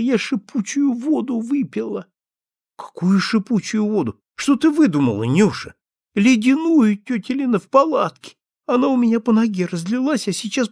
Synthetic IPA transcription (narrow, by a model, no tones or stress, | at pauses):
jaʂɨput͡ɕʊjʊvo̞d̪ʊvɨpʲɪlˠə | kɐ̥kujʊʂɨput͡ɕʊjʊvo̞d̪ʊ | ʂt̪ot̪ɨvɨd̪umə̰lˠənʲuʂɨ | lʲɪdʲɪnujʊtʲɵtʲɪlʲɪnəfpɐlˠat̪kʲɪ̥ | ɐnaʊmʲɪnʲapənɐɡʲeɾəzʲd̪lʲɪlˠasʲjasʲɪt͡ɕas